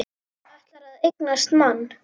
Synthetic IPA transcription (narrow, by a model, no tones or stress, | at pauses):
aht̪laɾaðejknast̪manː